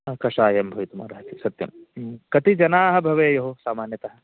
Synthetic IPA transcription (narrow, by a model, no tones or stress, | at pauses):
kɐʃaːjɐmbʱɐʋit̪uma̰ːɾɐɦɐt̪isɐt̪jɐ̰mkɐt̪id͡ʒɐnaːɦɐ̆bʱɐʋejɐɦosaːmaːnjɐt̪ɐɦɐ̆